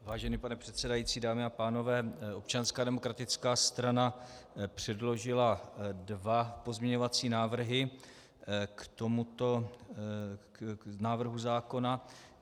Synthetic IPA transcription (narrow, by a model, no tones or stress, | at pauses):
vaːʒɛniːpanɛpr̥ɛt̪sɛdajiːt͡siːdaːmɪapaːno̞vɛːʔo̞pt͡ʃanskaːdɛmo̞kɾat̪ɪt͡skaːst̪ɾanapr̝̥ɛdlo̞ʒɪladvapo̞zmɲɛɲo̞vat͡siːnaːvr̩ɦɪ | kt̪o̞mut̪o̞ | naːvr̩ɦuzaːko̞na